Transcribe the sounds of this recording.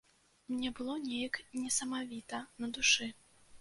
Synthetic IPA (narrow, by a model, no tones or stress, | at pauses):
mnʲɛbɨlˠɔnʲɛjɐknʲɛsɐmavʲit̪ɐnɐd̪uʂɨ